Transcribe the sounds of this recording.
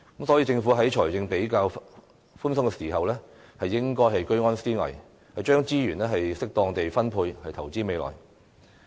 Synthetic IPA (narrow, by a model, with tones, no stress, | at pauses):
kə˨˥msɔ˨˥ji˧t͡sɪ˧ŋfu˨˥ɦɐ˨˥jt͡ʃʰɔː˨˩jt͡sɪ˧ŋpe˨˥jkaː˧w | fuː˥nsʊ˥ŋkɛ˧siː˨˩ɦɐ˨wlɛː˥ | hɐ˨jːɪ˥ŋkɔː˥jɦɐ˨jkɵ˥ɥŋɔː˥nsiː˥ŋɐ̰˨˩j | hɐ˨jt͡ʃœː˥ŋt͡siː˥jyː˨˩nlɛː˥ɦɐ˨jsɪ˥k̚t̪ɔː˧ŋt̪e˨jfɐ˥npʰuː˧jhɐ˨jt̪ʰɐ˨˩wt͡siː˥me˨˧jlɔ̰ː˨˩j